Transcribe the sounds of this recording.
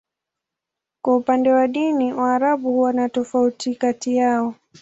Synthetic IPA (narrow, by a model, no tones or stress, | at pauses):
kwaupandɛwaɗiniwaːɾaɓuhuwanatɔfautikatijaɔ